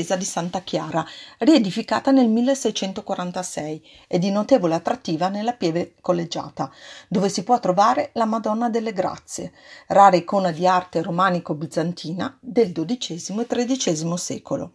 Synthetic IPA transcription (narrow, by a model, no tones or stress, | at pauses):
eːzad̪isant̪ak̟jaːɾaried̪ifika̰ːt̪anelmilːesɛjt͡ʃɛnt̪okwaɾant̪asɛj | ed̪ːinot̪eːvoleat̪ːɾat̪ːiːvanelːapjɛːvekolːed͡ʒːa̰ːt̪ad̪oːvesipwɔt̪ːɾovaːɾelamad̪ɔnːad̪elːeɡɾa̰t̪sːjḛraːɾekoːnad̪iart̪eɾomaːnikobid̪zːant̪ʰiːna̰d̪eld̪od̪it͡ʃɛːzimoet̪ːɾed̪it͡ʃɛːzimosɛ̰ːkolo̰